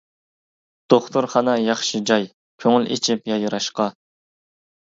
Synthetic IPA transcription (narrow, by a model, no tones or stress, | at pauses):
d̪̥oχt̪ʰʊɾχɑnɑjɑχʃɨd͡ʒɑj | kʲʰøŋylḛt͡ʃʰipjɑjɨɾɑʃqɑ